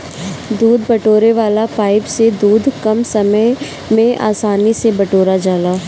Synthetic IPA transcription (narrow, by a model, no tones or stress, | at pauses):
d̪uːd̪ʱbɐʈoːɾeʋaːlapaːɪpsed̪uːd̪ʱkɐmsɐmə | mẽʔa̰ːsaːnisebɐʈoːɾad͡ʒaːlaː